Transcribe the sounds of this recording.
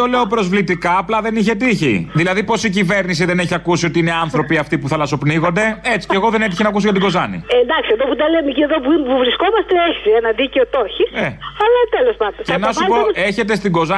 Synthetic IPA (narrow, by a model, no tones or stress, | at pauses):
o̞le̞o̞pɾo̞zvlit̪ikɐːplɐðe̞niçe̞t̪içḭðilɐðipo̞sicive̞ɾnisiðe̞ne̞çiɐkusio̞t̪iine̞ɐnθɾo̞piɐft̪ipuθɐlɐso̞pniɣo̞nd̪e̞e̞t͡si̥ceɣo̞ðe̞net̪içinɐkusicɐt̪iɡo̞zɐnḭend̪ɐksieðoput̪ɐlemicieðopuimpuvɾisko̞mɐst̪e̞eçi̥senɐðiceot̪o̞çiseɐlɐt̪elo̞spɐnd̪oenɐsuɐpoeçe̞t̪e̞st̪iɡo̞zɐ